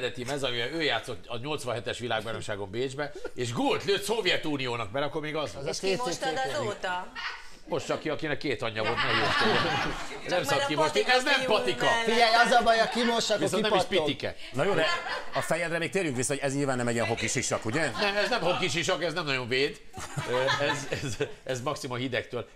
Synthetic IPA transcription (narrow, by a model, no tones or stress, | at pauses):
d̪ɛt̪imɛzɒmivɛøːjaːt̪sot̪ːɒɲo̞lt̪sʋɒ̃nɦɛt̪ɛʃʋilaːɡ̚bajnomʃaːɡo̞mbeːd͡ʒbɛeːʃɡult̪løːt̪sovjɛt̪uːnijoːnɒk̚bɛɾɛɒkːoɾmeːɡɒzz | oːt̪ | mo̞ʃt̪t͡ʃɒkːiɒkinɛkːeːt̪ɒɲːɒvont̪ɛjot̪oonɛmsɔkimot̪iɛznɛmpɒt̪ikɒfiɛjɒzɒbɒjɒkinoʃɒkisɔoiɛiʃpit̪ikɛ̰ | nɔjoːd̪ɛɒsfɛjɛd̪rɛmeːk̚t̪eːɾjyŋkvisːɒhoɟɛzɲiːlvaːnːɛmɛɟiɛnɦo̞kiʃiʃɒkuɟɛnɛmɛznɛmhokːiʃ̬iʃɒkɛznɛmnɒjo̞ɱveːd̪ | øɛzɛzɛzmɒksimɒhid̪ɛkt̪øːl